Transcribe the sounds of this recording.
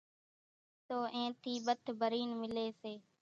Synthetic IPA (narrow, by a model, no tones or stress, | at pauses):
t̪oːʔẽːt̪ʰiːbət̪ʰbʱəɾiːnmɪleːseː